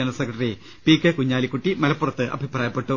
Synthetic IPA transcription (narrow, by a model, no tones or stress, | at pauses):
ɐnɐsekːɐʈɐri | pikːekuɲːaːlikːuʈːimɐlɐpːurɐt̪ːɨʔɐ̰bʱipraːjɐpːe̞ʈːu